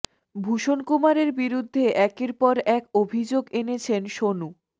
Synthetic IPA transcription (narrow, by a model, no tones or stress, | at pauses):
bʱuʃonkumaɾeɾbiɾud̪ʱːeʔɛkeɾpɔɾɛkobʱid͡ʑoɡenet͡ɕʰenʃonu